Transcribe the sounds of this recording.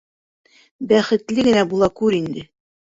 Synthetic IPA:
bæχɘ̆t̪lɘɡɘ̆næbulˠɑkʉɾind̪ɘ

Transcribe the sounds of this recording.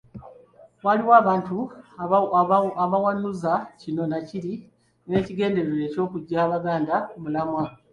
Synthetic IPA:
waliwaːβaːntu | aβawanuzacino̞naciɾi | ne̞ːciɡe̞ːnde̞ɾeɾe̞ːco̞ːkuɟːaːβaɡaːndamulamwa

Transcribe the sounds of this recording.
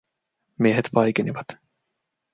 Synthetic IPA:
mieɦet̪ʋɑjkeniʋɑt̪

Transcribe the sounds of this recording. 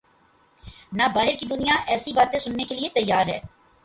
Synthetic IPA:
nabaːɦɪɾkid̪ʊnijaʔɛːsibaːt̪ẽsʊnːekeliet̪ɐjːaːɾɦɛ̰ː

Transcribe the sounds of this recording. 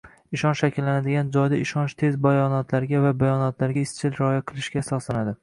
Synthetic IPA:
ɪʃɒnʃakʲʰɪlːanad̪ɪɡʲand͡ʒɒjd̪aɪʃɒnt͡ʃt̪ʰe̞zbajɒnɒt̪ʰlaɾɡʲavabajɒnɒt̪ʰlaɾɡʲaɪst͡ʃʰɪlɾɒjaqʰɨlˠɪʃɡʲaːsɒslanad̪ɪ

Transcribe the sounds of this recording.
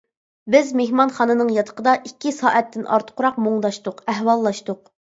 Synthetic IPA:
bɪzmehmɑnχɑːnɨnɨŋjɑt̪ʰə̥qəd̪ɑʔikʲːisɑ̰ːʔɛt̪ʰːɪnʔɑ̰ɾt̪ʰə̥qʰʊɾɑq̚moŋd̪ɑʃt̪ʊqɛɦwɑlˠːɑʃt̪ʊq̚

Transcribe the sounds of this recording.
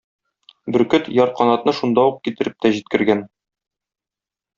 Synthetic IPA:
bɘ̆ɾkɵt̪jɒɾ̚qɒnɑt̪nɤʃund̪ɑuq̚kit̪ɘ̆ɾɘp̚t̪æʑit̪̚kɘ̆ɾɡæn

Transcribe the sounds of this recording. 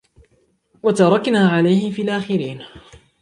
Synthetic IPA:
wat̪ɑɾˤɑknaːʕalajhɪmfiːlʔaːxɪɾiːn

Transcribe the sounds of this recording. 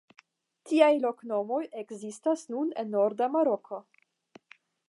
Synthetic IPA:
tiajlo̞kno̞mo̞jeɡzistasnunḛnːo̞ɾdamaɾo̞kʰo̞

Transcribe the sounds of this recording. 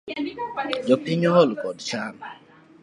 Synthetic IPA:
d͡ʒɔpiɲɔlukɔdt͡ʃana

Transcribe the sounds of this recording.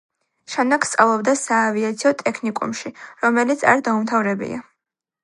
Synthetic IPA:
ʃanakʰst̪sʼavlˠɔbd̪asaːviat̪sʰiɔt̪ʼɛkʰnikʼṵmʃiɾɔmɛlit̪sʰa̰ɾd̪aumt̪ʰavɾɛbḭa̰

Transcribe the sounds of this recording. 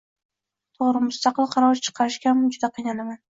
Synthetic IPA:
t̪ʰoʁɾɪmʊst̪ɑqɨlˠqʰɑɾɒwʃt͡ʃʰɨ̥qʰɑɾɪʃkʲamd͡ʒʊd̪aqʰijnanaman

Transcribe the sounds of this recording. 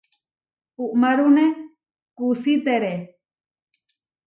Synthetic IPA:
uʔmaɾune | kusit̪eɾe

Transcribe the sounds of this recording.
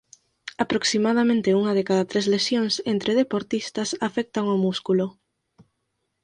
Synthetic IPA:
apɾoksimað̞amẽnt̪euŋɐðekaðat̪ɾezlesjoŋsent̪ɾeð̞epoɾt̪ist̪ɐsafɛk̚t̪aŋomuskulʊ

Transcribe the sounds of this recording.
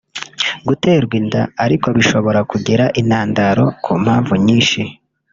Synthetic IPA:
ɡute̞ːɾɡwindaːɾiko̞βiʃo̞βo̞ɾakuɟeɾaʔinaːndaɾo̞kʰuːm̥haːɱvuɲiːnʃi

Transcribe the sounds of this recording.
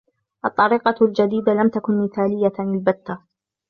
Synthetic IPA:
ʔɑt̪ˤːɑɾiːqɑld͡ʒad̪iːd̪alamt̪akʊnmɪθaːlɪjːaɪlbat̪ːa

